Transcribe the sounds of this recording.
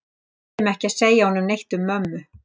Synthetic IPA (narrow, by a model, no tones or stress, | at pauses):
mɛhcɪaðseːjahɔnʏmnejht̪ʏmːœmːʏ